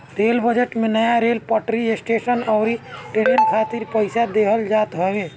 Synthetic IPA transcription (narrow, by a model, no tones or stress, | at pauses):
ɾelbəd͡ʒeʈmenəjaɾelpəʈɾiesʈesənɔʊɾiʈeɖijənkʰat̪iɾpəɪsad̪eɦəld͡ʒat̪ɦɔbe